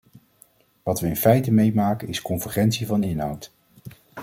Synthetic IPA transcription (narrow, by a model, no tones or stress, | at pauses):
ʋɑtʋəɪnfɛjtəmejmaːkənɪskɔnvəχɛntsivɑnɪnɦʌ̰wt